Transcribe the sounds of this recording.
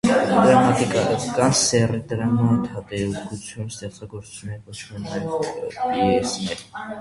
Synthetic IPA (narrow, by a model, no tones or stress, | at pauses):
d̪ɾɑmɑt̪ikɑkɑnsɛrid̪ɾɑmat̪ʰɑt̪ɛukʼut͡sʰjunumst̪ɛχt͡sɑɡɔɾsʰu̥t͡sʰjunːɛɾvɔt͡ʃʰmɛnɑjl | ɛsnɛɾ